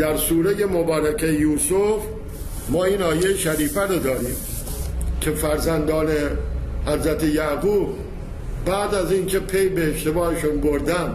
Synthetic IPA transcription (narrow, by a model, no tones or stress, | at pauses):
d̪̥æɾsuːɾejemobɒːɾækʰejuːsof | mɒːiːnɒːjejʃæɾiːfæɾod̪ɒːɾiːm | cʲʰe̞fæɾzænd̪ɒːnehæzɾæt̪ʰe̞jæɡuːb | bæːd̪æziːnkʲʰe̞pʰe̞jbeːʃt̪e̞bɒːhe̞ʃunboɾd̪æn